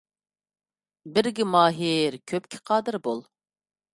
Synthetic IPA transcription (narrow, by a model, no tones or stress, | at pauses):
bɪɾɡʲɪmɑːɦɪɾkʲʰøp̚kʲʰɪ̥qʰɑːd̪ɨɾbolˠ